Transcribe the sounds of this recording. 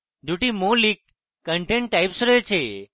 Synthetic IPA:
ɖ̪ʱuʈimolikː | əɳʈẽɳʈ̚ːajpsɾet͡ʃʰe

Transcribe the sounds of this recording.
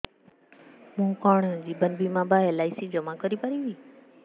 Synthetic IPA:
mũːkaːɳ̃d͡ʑiːbɐnbimãːbaːelaːisid͡ʑəmakəɾipaɾiʋiː

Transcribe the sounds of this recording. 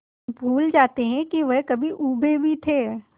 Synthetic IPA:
bʱuːld͡ʒaːt̪eɦɛ̃kiʋɛɦkɐbʱiʔuːbʱebʱit̪ʰeː

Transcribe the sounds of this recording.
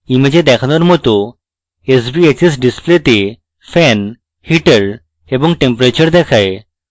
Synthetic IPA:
imed͡ʑed̪ɛkʰnəɾm̤ot̪o | esbiet͡ɕesɖisplet̪e | fɛn | hiʈəɾ | ebə̃ŋɡʈẽmpɾet͡ɕəɾd̪ɛkʰae

